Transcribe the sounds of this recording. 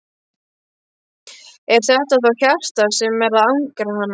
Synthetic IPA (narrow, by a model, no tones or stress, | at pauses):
ɛɾ̥θɛht̪aθawçafst̪aɾsɛmːɛɾaðawŋkɾahanː